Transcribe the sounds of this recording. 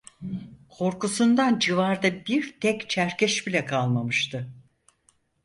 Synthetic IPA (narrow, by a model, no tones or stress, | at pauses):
kʰo̞ɾkusund̪and͡ʒivaɾd̪abiɾt̪ʰɛkt͡ʃʰæɾcʰɛʃbilʲɛkʰalˠmamɯʃt̪ʰɯ